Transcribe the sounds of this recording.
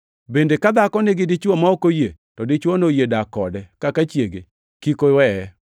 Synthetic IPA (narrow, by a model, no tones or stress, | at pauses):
bendekad̪akɔnɪɡɪdɪt͡ʃwomaɔkojetɔdɪt͡ʃwonojedakɔdɛkakat͡ʃjeɡe | kikowɛɛ